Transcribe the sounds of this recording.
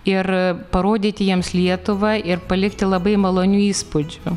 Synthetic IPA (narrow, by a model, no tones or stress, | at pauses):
ɪrpɐɾoːd̪ʲiːt̪ʲɪjiɛmslʲiɛt̪ʊʋɐʔɪrpɐlʲɪkt̪ʲɪlˠɐbɐɪmɐlˠoːnʲuiːspʊd͡ʒʲʊ